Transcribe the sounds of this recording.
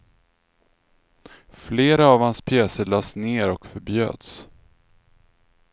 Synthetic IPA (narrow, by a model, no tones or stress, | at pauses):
fleːɾaːvhanspʰjɛːsəɭɑːsneːɾɔkfœɾbjø̰ːd̪̥s